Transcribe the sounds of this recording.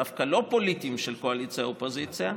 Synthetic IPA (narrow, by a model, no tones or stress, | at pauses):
afkalo̞po̞lit̪imʃelko̞alit͡sijaopozit͡sja